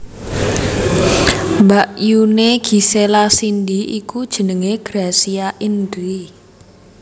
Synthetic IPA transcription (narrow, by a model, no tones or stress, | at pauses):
mbaʔjuneɡ̥i̤selasindiʔḭkud̥ʒ̥ə̤nəŋeɡ̥ɾasiaʔindi